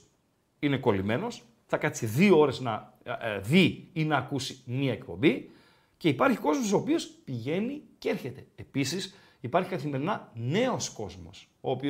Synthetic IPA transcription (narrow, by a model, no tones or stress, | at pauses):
ine̞ko̞lime̞no̞s | θɐkɐt͡siðioo̞ɾe̞znɐ | ðiinɐːkusimiɐekpo̞̰mbi | ce̞ipɐɾçiko̞zmo̞so̞ːpio̞spiʝe̞niceeɾçe̞t̪e̞episis | ipɐɾçi̥kɐθime̞ɾinɐne̞o̞sko̞zmo̞̰s | o̞ːpio